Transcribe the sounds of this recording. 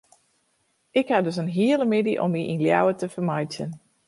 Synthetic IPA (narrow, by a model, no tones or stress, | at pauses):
ʔɪkhadøsənɦiələmɪdiʔɔ̰miʔinlja̰wətəfərmajtjən